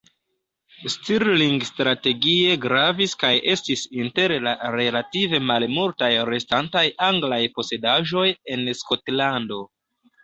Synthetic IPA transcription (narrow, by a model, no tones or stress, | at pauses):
stiɾliŋɡstɾate̞ɡie̞ɡɾaviskajʔe̞stisinte̞ɾlaɾe̞lative̞malmultajɾe̞stantajaŋɡlajpo̞se̞daʒo̞je̞nsko̞tlando̞